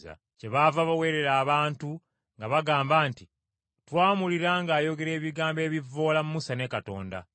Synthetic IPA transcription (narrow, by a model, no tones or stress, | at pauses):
a̰ | ce̞βaːvaβawe̞ːɾe̞ɾaːβaːntu | ŋɡaβaɡaːmbaːnti | twaːmuliɾaːŋɡaːjo̞ɡe̞ɾe̞ːβiɡaːmbe̞ːβivːo̞ːlamumusane̞ːkato̞̰ːnda̰